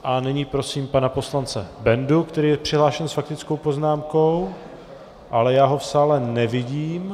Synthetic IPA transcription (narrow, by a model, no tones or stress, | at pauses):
ʔanɛɲiːpɾo̞siːmpanapo̞slant͡sɛbɛndukt̪ɛɾiːjɛpr̝̥ɪɦlaːʃɛnsfak̚t̪ɪt͡sko̞wpo̞znaːmko̞w | ʔalɛjaːɦofsaːlɛnɛvɪɟiːm